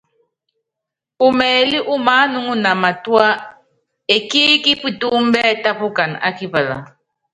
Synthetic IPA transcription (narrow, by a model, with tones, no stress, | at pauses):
u˨mɛ˨li˦ʔu˦ma˨˦nu˦ŋu˦na˨ma˨twa˦ | e˨ki˦ki˦pi˦tu˦m̩˦bɛ˦ta˦pu˦ka˨n˨a̰˦ki˦pa˨la̰˨